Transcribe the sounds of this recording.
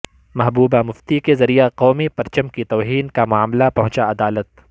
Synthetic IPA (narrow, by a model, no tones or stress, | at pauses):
mɐɦbuːbamʊft̪ikezɐɾijeqɔːmipɐɾt͡ʃəmkit̪ɔːɦiːnkamʊaːmlapɐ̃ɦʊ̃t͡ʃaɐd̪aːlət̪̚